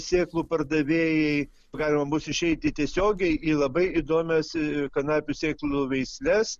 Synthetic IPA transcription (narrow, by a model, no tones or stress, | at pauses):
sʲeːklˠuːpɐrd̪ɐʋʲeːjɛɪ | ɡɑːlʲɪmɐmʊsɪʃʲɛɪt̪ʲɪt̪ʲiɛsʲoːɡʲɛɪilˠɐbɐɪid̪oːmʲɛskɐnɑːpʲusʲeːklˠuʋʲɛɪsʲlʲɛs